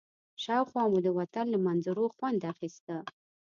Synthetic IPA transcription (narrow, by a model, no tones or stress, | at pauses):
ʂawχʷamud̪əwat̪ʰanləmanzuɾoχwand̪aχist̪ə